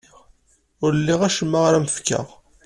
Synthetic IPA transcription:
ʊɾəlːiʁæʃəmːaʁɾæməfkə̰ʁ

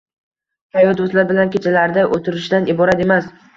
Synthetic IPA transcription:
k̪ʰajɒd̪ʊslaɾbɪlankʲʰet͡ʃʰalaɾd̪aʔot̪ʰɪɾɪʃd̪anɪbɒɾat̪e̞mas

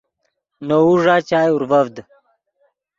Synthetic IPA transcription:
nouʐaːt͡ɕaːjuɾvɐvd̪

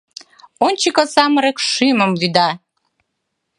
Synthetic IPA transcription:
onʲt͡ɕikəsɑməɾekʃyməmvyd̪ɑ

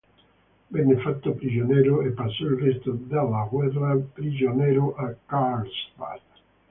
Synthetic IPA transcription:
bɛnːefat̪ːopɾid͡ʒonɛːɾʊɛpːasːɔilrɛst̪od̪alːaɣwɛrapɾid͡ʒonɛːɾoʔakalsba̰

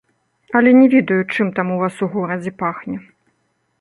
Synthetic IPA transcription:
ɐlʲɛnʲɛvʲɛd̪ɐjut͡ʂɨmt̪amuvasuɣɔɾɐd͡zʲɛpaxnʲɛ

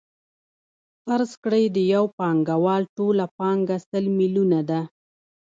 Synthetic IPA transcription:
faɾzkɽəjd̪əjawpɑŋɡawɑlʈolapɑŋɡasəlmilunad̪a

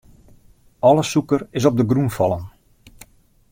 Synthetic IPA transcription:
ɔləsukərɪs̬ɔb̚dəɡrunfɔlˠən

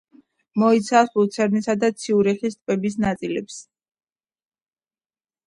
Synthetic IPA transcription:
mɔit̪sʰasbut̪sʰɛɾnisad̪at̪sʰiuɾɛχist̪ʼpɛbis̬nat̪sʼilɛps

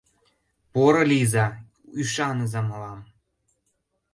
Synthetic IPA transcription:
poɾɤ̆lʲizɑ | yʃɑnəzɑmlɑm

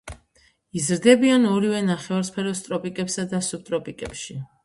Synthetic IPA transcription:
izɾd̪ɛbianɔɾivɛnaχɛvaɾspʰɛɾɔst̪ʼɾɔpʼikʼɛpsad̪asup̚t̪ʼɾɔpʼikʼɛpʃi

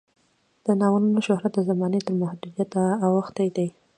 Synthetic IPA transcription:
d̪̥ənɑwənunoʃʊhɾat̪̚d̪əzamɑnet̪əɾmahd̪ud̪jat̪aːwaxt̪ajd̪aj

